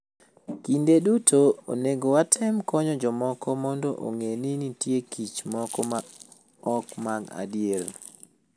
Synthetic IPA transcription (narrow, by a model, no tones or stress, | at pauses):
kindeɗutʰoo̰neɡowatʰɛmkɔɲɔd͡ʒɔmɔkʰɔmɔndɔʔo̰ŋeninitjekʰit͡ʃmɔkɔa | ɔkmaɡa̰djeɾ